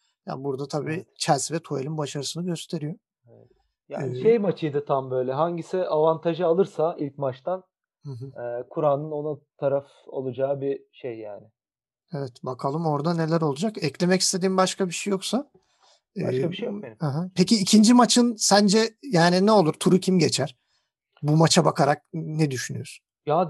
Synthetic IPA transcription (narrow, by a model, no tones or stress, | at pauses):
ja̰buɾd̪at̪ʰabiːt͡ʃʰæzvɛt̪ʰuelʲinbaʃaɾɯsɯnɯɟø̞st̪ʰe̞ɾijo̞ | ɛvɛ | ja̰ːnʃejmat͡ʃʰɯjd̪ɯt̪ʰambø̞jlʲɛɦaɲɟisɪʔavant̪ʰaʒɯalˠɯɾsailʲc̚mat͡ʃt̪an | hɯ̃ɦɯɛːkʰuɾanɯno̞nat̪ʰaɾaf | o̰lˠud͡ʒaːɯbiʃejːaːnɪ | evɛt̪bakʰalˠɯmo̞ɾd̪ane̞lʲæɾo̞lˠud͡ʒakɛclʲe̞mɛcist̪ʰe̞d̪iːmbaʃkabiʃejːoksa | ɛakabiʃejjokehɯɦɯpʰeciːcʰind͡ʒimat͡ʃʰɯnsænd͡ʒɛjaːninɛo̞lˠuɾt̪ʰuɾucʰimɟe̞t͡ʃʰæɾ̥ | bumat͡ʃʰabakʰaɾak̚nɛd̪yʃynyjoɾ̥ | ja